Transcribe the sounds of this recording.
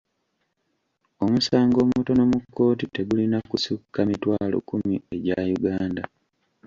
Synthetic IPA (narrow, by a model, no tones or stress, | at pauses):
o̞musaːŋɡo̞ːmuto̞no̞mukːo̞ːtite̞ɡulinakusukːamitwaːlo̞̰kumie̞ɟajuɡaːnda